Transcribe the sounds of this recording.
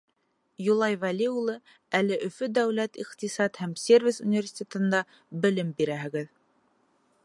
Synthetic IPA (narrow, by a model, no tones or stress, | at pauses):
julˠɑjvælʲiulˠɤ | ælɘʔɵ̆fɵd̪æwlæt̪iqt̪isɑt̪hæmsʲervʲisṵnʲvʲerʲsʲi̥t̪ʲet̪ɤ̆nd̪ɑ | bɘ̆lɘmbiɾæɦɘ̆ɡɘð